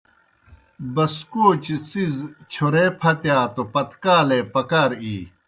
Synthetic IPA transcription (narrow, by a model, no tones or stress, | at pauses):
bɐskoːt͡ɕt͡sizt͡ɕʰoɾeːpʰɐt̪jaːt̪opɐt̪kaːleːpɐkaːɾiː